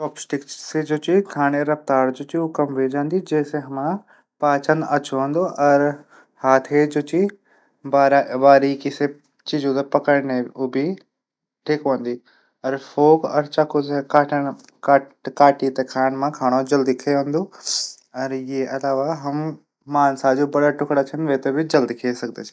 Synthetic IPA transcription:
ʈɔːpsʈɪksed͡ʑot͡ɕikʰaːɽ̃eɾɐft̪aːɾd͡ʑot͡ɕiʊkɐmʋed͡ʒãːnd̪id͡ʑɐ̃ːseɦɐmã | paːt͡ɕənɐt͡ʃʰoʋə̃n̆d̪oʔɐɾ | haːt̪ʰed͡ʑot͡ɕi | baːɾʋaːɾikɪse | t͡ɕid͡ʑut̪ɐpɐkəɽneʊbʱi | ʈʰikʋə̃nd̪iː | ɐɾfʰoːkɐ̰ɾt͡ʃɐkʰosekaːʈən | kakaːʈit̪ekʰaːɽ̃mãkʰaːɽ̃od͡ʒɐld̪ikʰɐʋɐ̃nd̪o | ɐɾeʔɐlaːʋaɦɐm | maːnsaːd͡ʒubɐɽaʈʊkɽat͡ʃʰənʋeːt̪ebɪd͡ʒɐld̪ikʰeːsɐɡ̚d̪et͡ʃʰː

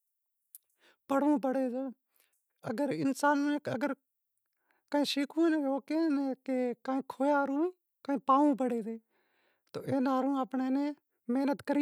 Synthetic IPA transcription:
pəɽũːp̬əɽeːdoː | əɡəɾɪnsaːnmẽːəɡəɾ | kəĩːʃiːkʰũːnẽoːkeneːkeːkaːẽːkʰoːjaːɾũːiː | kəːẽːpaːʋũːp̬əɽeːd̪eː | t̪oːʔeːnaːɾũːəpɳeːnẽː | meːnət̪kəɾ

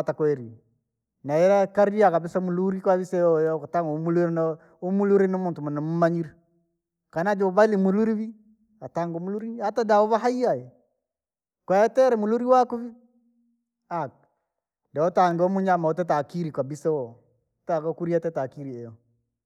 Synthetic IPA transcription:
atakwɛɾi | naɛɾakaɾiakabisamuluɾikwaβisɛjɔkataŋɡomuluɾn | omuluɾinomuːntumunamumaɲiɾi | kanad͡ʒoβalimuluɾiβi | ataŋɡomuluɾiatadaoβaɦaiaje | kwaɛtɛɾɛmuluɾiwakuβi | ak̚ | daɔtaŋɡɔmuɲamaotɛt̬akiɾikabisɛwɔ | takokuɾiatɛtakiɾiɛjɔ

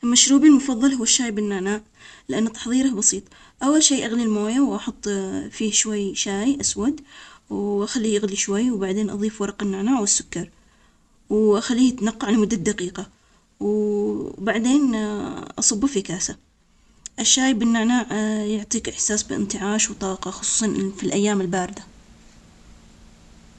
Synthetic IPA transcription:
ʔlmaʃɾuːbilmʊfɑðˤːɑlhʊwːaʃːaːjbɪnːaːnaːʕ | lɪʔanːat̪ɑ̥ħðˤiːɾahbɑsiːt̪ˤ | ʔawːalʃeːʔaɣlilmoːjawʔɑħʊt̪ˤːfiːhʃwajʃaːjʔaswad̪wʔaxalːiːʔaɣliʃwajːwbaʕd̪eːnʔɑ̰ðˤiːfwɑɾˤɑqɪnːaːnaːʕwɪsːʊ̥kːɑɾˤ | wʔaxalːiːat̪nɑqːɑʕlmʊd̪ːad̪aqiːqɑ | w | baʕd̪eːnʔɑsˤɑbːafikaːsa | ʔɪʃːaːjbɪnːaʕnaːʕjʊʕt̪ˤiːkɪħsaːsbɪʔɪ̰nt̪ɪʕaːʃwt̪ˤɑːqɑxʊ̥sˤu̥ːsˤɑnfilʔajːaːmɪlbaːɾɪd̪a

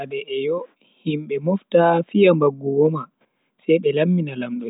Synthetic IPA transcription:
adɛʔɛjɔ | himɓɛmɔftafijambaɡːuwɔma | sɛjɓɛlamːinalamɗɔ

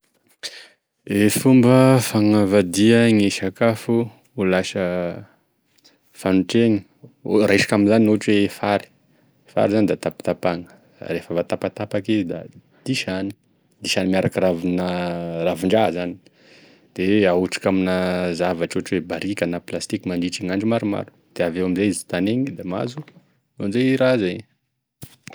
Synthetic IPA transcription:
efumbəfaŋavad̪iəŋeʃakafu | ulasə | fanuʈ͡ʂeŋi̥ | raeʃḁkaminzaninoʈ͡ʂwefaɾi̥ | fa̰ɾizanid̪at̪apḁt̪apaŋə̥ | refəvat̪apat̪apakizid̪a̰ | d̪̥iʃani̥ | d̪iʃanimiaɾakiravinəravuɳɖ͡ʐazani̥ | d̪̥eauʈ͡ʂḁkaminazavaʈ͡ʂoʈ͡ʂwebaɾikanaplast̪ikimaniʈ͡ʂiŋaɳɖ͡ʐimaɾuma̰ɾu̥d̪̥eavewamizejizi̥t̪aneɲid̪ama̰zu | nonzeiɾazeɲ

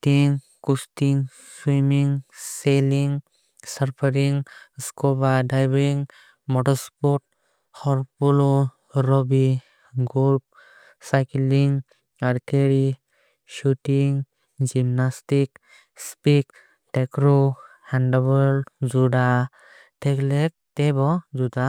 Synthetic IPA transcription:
tiŋ | kustiŋ | swimiŋseliŋ | səɾpʰəɾiŋskobaɖajbiŋ | mɔʈɔspɔʈ̚ | hɔɾpulo | ɾɔbi | ɡulp̚ | sajkliŋ | aɾt̪ʰeɾi | ʃutiŋ | d͡ʒimnastik | spik | ʈekɾohanɖaβɔld͡ʒuɖa | teklek̚tebɔd͡ʒuda

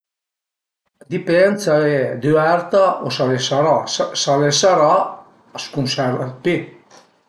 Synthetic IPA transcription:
d̪ipɛnsaed̪yɛɾt̪aosalesaɾasalesaɾa | skunsɛɾat̪̚pe

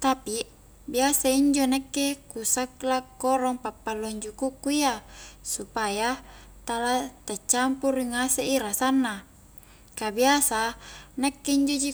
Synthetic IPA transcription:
t̪api | biasaiɲd͡ʒonekːekusaklakːoɾɔŋpapːalːoɲd͡ʒukukːuiasupajat̪alat̪at͡ʃːampuriŋaseʔiɾasanːa | kabiasanekːeiɲd͡ʒod͡ʒi

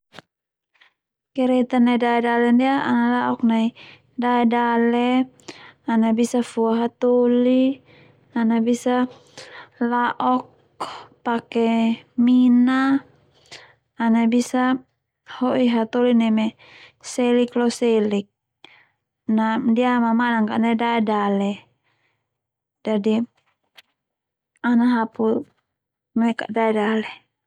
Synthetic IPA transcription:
kɛɾɛt̪anaidaɛdalɛndiaʔanalaʔɔknai | daɛdalɛ | anabisafuaɦat̪oli | anabisa | laʔɔk̚ | pakɛmina | nabisa | hɔʔiɦat̪ɔlinɛmɛ | sɛliklɔsɛlik̚ | nadiamamanaŋkaʔnaidaɛdalɛ | d͡ʒadi | anaɦapu | mɛka̰ʔdaɛdalɛ

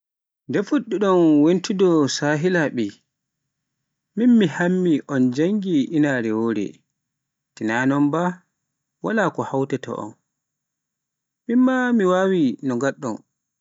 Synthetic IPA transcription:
ndɛfuɗːuɗɔnwentidɔsaːɦilaɓɛ | minmihamːiʔɔnd͡ʒaŋɡiʔinaɾɛwoːɾɛ̰ | tinaːnɔnba | walakɔhawtɛtɔ̰ʔɔ̰n | minmamiwawinɔŋɡaɗːɔn

